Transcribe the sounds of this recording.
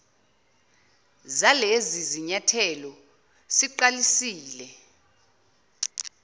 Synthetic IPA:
zaleziziɲatʰɛlɔ | siǃalisiːlɛ

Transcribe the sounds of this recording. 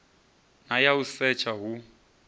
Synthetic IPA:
najausɛt͡ʃʰaɦu

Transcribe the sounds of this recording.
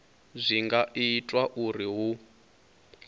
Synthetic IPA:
zʷiŋɡaʔitʼwaʔuriɦu

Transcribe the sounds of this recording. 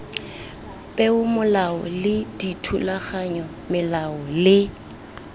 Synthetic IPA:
pʼɛʊmʊlaɔlɪditʰulaχaɲɔ | mɪlaɔlɪ

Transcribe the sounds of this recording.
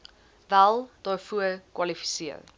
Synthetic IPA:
vælˠd̥ɑːfuəkwɐlifi̥siə̰ɾ

